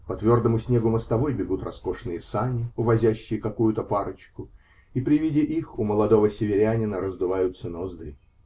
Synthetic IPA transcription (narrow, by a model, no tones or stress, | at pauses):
pɐt̪vʲo̞rd̪əmʊsʲnʲe̞ɡʊməst̪ɐvo̞jbʲɪɡut̪rɐsko̞ʂnɨjəsanʲɪʊvɐzʲæɕːɪjəkɐkujʊt̪əpaɾət͡ɕkʊ | ipɾʲɪvʲidʲɪʔixʊməlˠɐd̪o̞vəsʲɪvʲɪɾʲænʲɪnəɾəzd̪ʊvajʊt̪sənozd̪ɾʲɪ